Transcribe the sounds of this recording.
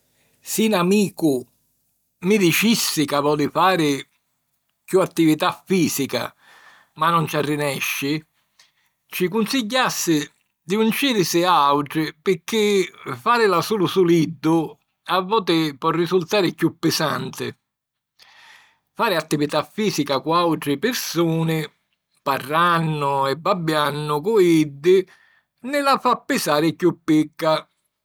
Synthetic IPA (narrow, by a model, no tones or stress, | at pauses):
sɪnamiːkʊ | mɪd̪it͡ʃisːɪkavɔːd̪ɪfaːɾɪ | kjuat̪ːivit̪afːiːsika̰ | manːɔnt͡ʃarːɪnɛʃːɪ | t͡ʃɪkunsiɟːasːɪ | d̪iunt͡ʃiːɾɪsɪaawʈɾɪpɪkːɪfaːɾɪlasuːlʊsulid̪ːʊ | avːɔːt̪ɪpɔrːisult̪aːɾɪkjupːɪsant̪ɪ̰ | faːɾɪat̪ːivit̪afːiːsikakuawʈ̪ɾɪpɪɾsuːnɪ | parːanːʊɛbːabːjanːʊkʊid̪ːɪ | nɪlafapːɪsaːɾɪkjupːɪkːa